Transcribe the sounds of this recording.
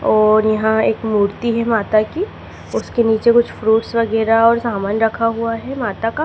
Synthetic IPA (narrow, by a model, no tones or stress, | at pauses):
ɔːɾjɐɦãeːkmuːɾt̪iɦɛmaːt̪aki | ʊskeniːt͡ʃekʊt͡ʃʰfɾuːʈsʋɐɡɛːɾaɔːɾsaːmaːnɾɐkʰaɦuaɦɛmaːt̪aka